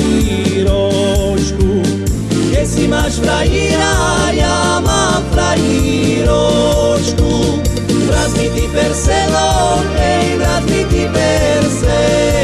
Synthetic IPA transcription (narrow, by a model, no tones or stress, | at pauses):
i | ɾo | ʃku | ẽsimaʃfɾaiɾajamafɾai | ɾoʃku | t̪ɾãzmit̪ipeɾseloɡej̃ðɾazmit̪ipeɾse